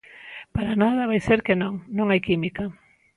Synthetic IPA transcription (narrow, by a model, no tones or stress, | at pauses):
paɾanað̞ɐβajseɾkenõŋnõŋajkimikɐ